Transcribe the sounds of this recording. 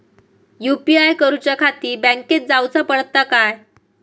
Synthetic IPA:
jupiajkəɾut͡ɕjakʰat̪iːbə̃ŋket̪̚d͡zawt͡səpəɽt̪ːakaj

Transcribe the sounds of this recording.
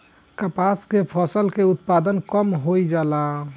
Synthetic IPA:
kəpaskepʰɔsəlkeut̪pad̪ənkɔmɦojd͡ʒala

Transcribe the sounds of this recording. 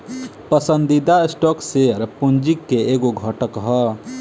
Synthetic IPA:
pəsənd̪id̪aesʈɔkseəɾpund͡ʒikːeeːɡoɡʱəʈəkɦə

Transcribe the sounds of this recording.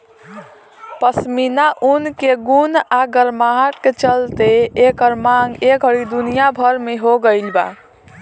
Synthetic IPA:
pəsminaʔunkeɡunaɡəɾmaɦaʈket͡ʃəlt̪eekəɾmaŋɡekɦəɾid̪unijabʱəɾmeɦoɡəɪlba̰

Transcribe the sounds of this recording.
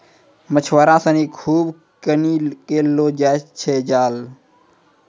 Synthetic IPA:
mət͡ʃʰʋaːɾãːsəniːkʰuːb | kəniːkeːloːd͡ʒaːt͡ʃʰeːd͡ʒaːl

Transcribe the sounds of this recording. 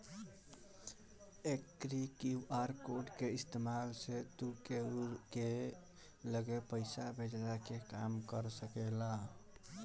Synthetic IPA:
ekɾikiuʔaɾkoɖkeist̪emalset̪ukeɾke | ləɡepəɪsabʱed͡ʒɾakekamkəɾsəkela

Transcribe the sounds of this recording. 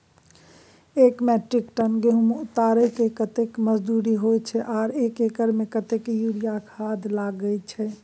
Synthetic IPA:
ekmɛʈɾikʈənɡeɦumʊt̪aɾɛkekət̪ekməd͡ʒd̪uɾiɦojt͡ʃʰɛʔaːɾekekəɾmekət̪ekjuɾijakʰad̪laɡəjt͡ʃʰɛ

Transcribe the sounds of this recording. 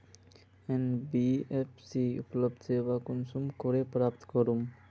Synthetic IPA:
enbiefsiːupləb̚d̪seːʋakunsumkoɾepɾaːpt̪kɔɾum

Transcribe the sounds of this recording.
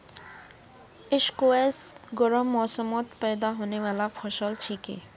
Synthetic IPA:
eʃkoesɡɔɾɔmːɔsɔmɔt̪pɛjd̪aɦonewalapʰɔʃɔlt͡ʃʰikḛ

